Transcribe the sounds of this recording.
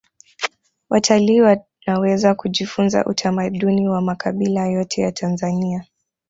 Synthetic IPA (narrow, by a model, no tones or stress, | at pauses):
watʰaliːwa | nawɛzakuʄifunza̰ʔutʰamaɗuniwamakʰaɓilajɔtʰɛjatʰanzania